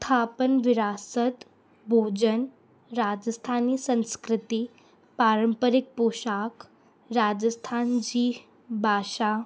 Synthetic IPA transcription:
st̪ʰaːpənʋɪɾaːsət̪ | bʱoːd͡ʑən | ɾaːd͡ʒəst̪ʰaːniːsə̃nskɾɪt̪i | paːɾəmpəɾɪk̚poːʃaːk | ɾaːd͡ʒəst̪ʰaːnd͡ʑiː | bʱaːʃaː

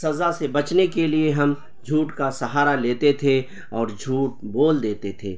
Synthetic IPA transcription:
sɐzasebɐt͡ʃnekelieɦɐm | d͡ʒʱuːʈkasɐɦaːɾaleːt̪et̪ʰe | ɔːɾd͡ʒʱuːʈ̚boːld̪eːt̪et̪ʰeː

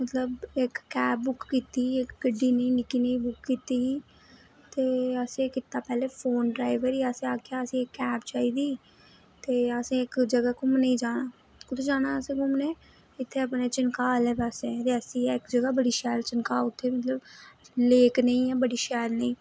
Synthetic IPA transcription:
mət̪ləbɪkːɛːp̚ːʊkːiːt̪iːɪkɡəɖiːnəĩːnɪkiːnəĩːbʊkːiːt̪iːiː | t̪eːəsẽːkɪt̪ːaːpɛːleːfʰoːnɖɾaːɪʋəɾiːəsẽaːkeaːəsĩːɪkːɛːpt͡ʃaːiːd̪iː | t̪eːəsĩːɪkd͡ʒəɡaːkʊmnəĩːd͡ʒaːnaː | kʊt̪ʰːd͡ʒaːnaːəsẽːkʊmneː | ɪt̪ʰːeːəpneːt͡ʃɪnkaːlɛːbəset̪eɛsĩːɪkd͡ʒəɡaːbəɽiːʃɛːlt͡ʃɪnkaːʊt̪ʰːeːmət̪ləbleːknəĩːɛːbəɽiːʃɛːlnəĩː

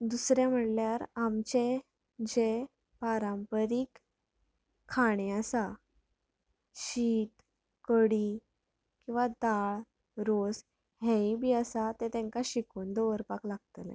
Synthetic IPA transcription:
d̪usɾjam̤əɽljaɾamt͡ɕe | d͡ʑe | paɾãmpəɾik | aɽ̃eəsa | ɕiːt̪ | kəɽi | kĩw̃ʋat̪aɭ | ɾos | ɦɛ̃ibiːəsat̪et̪ɛ̃ŋkaɕikuːnd̪ɔʋəɾpaklaɡ̚t̪əlḛ

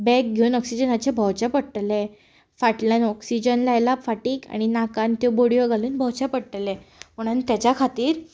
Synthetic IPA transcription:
bɛk̚ɡʱewnɔksid͡ʑənat͡ɕebʱɔwt͡ɕapəɽʈle | faʈlənɔksid͡ʑənlajlafaʈiːka̰ɽ̃inakãnt̪joboɽijʋoɡʱaluːnbʱɔwt͡ɕapəɽʈəlẽmoɽ̃ant̪jat͡ɕjakʰat̪iːɾ

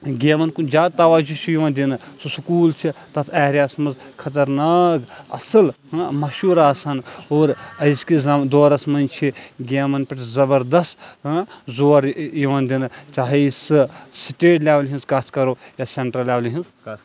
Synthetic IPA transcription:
ɡeːmɐnkund͡ʒaːd̪̚t̪ɐʋaːd͡ʒut͡ʃʰijiʋãnd̪inɨsosukuːlt͡ʃʰit̪ɐt̪ʰɛːɾʲjaːsmɐzkʰɐt̪̬ɐɾnaːkɐ̰sɐlɦmɐʃuːɾaːsɐnoːɾɐjskizd̪oːɾɐsmɐnt͡ʃʰiɡeːmɐnpɐʈzɐbɐɾd̪ɐstɦzoːɾjiʋɐnd̪inɨt͡ʃaːɦisɨsiʈeːʈlʲeːʋlɦĩnzkaːt̪ʰkɐɾoːjaːseɳʈɾɐleːʋlɦĩnz

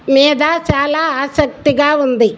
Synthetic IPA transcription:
mɛːd̪aːʃaːlaːaːsɐk̚t̪iɡaːund̪i

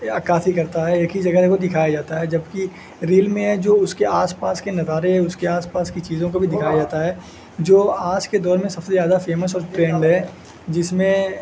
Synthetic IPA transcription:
ɐkaːfʰikɐɾt̪aɦɛeːkid͡ʒɐɡəɦkod̪ɪkʰaːjad͡ʒaːt̪aɦɛd͡ʒɐbki | ɾiːlmẽɦɛd͡ʒoːʊskeʔaːspaːskenɐzaːɾeɛʊskeaːspaːskit͡ʃiːzõkobʱid̪ɪkʰaːjad͡ʒaːt̪aɦɛː | d͡ʒoːaːd͡ʒked̪ɔːɾmẽsɐbsezjaːd̪afeːməs̬ɔːɾʈɾẽːɳɖɦɛ | d͡ʒɪsmẽ

